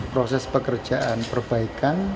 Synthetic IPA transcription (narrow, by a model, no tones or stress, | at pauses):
pɾosɛspəkərd̥ʒ̥aʔanpərb̥aikan